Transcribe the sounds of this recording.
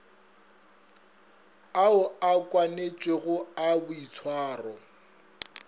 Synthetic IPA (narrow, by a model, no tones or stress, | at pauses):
aʊakʼwanet͡ʃʼweɣʊabʊit͡sʰwaːrɔ